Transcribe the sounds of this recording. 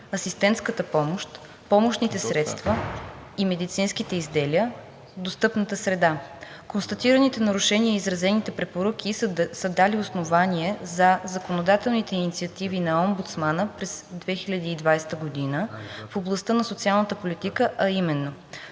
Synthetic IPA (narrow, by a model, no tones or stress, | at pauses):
ɐsist̪ɛnt̪skət̪əpɔmoʃt̪ | pɔmoʃnit̪ɛsɾɛt̪st̪və | imɛd̪it̪sinsk̟it̪ɛizd̪ɛliə | d̪ost̪ɤpnət̪əsɾɛd̪a | konst̪ɐt̪iɾənit̪ɛnɐɾuʃɛnʲiəizɾɐzɛnit̪ɛpɾɛpoɾək̟ʲisəd̪aliosnovaniɛzɐzɐkonod̪at̪ɛlˠnit̪ɛinit̪siət̪ivinɐɔmbut̪smanəpɾɛzd̪vɛxilʲɐd̪iːd̪vajsɛ̥t̪əɡod̪inəfoblˠɐst̪ənɐsot̪sialˠnət̪əpolʲit̪ikəʔɐimɛnːo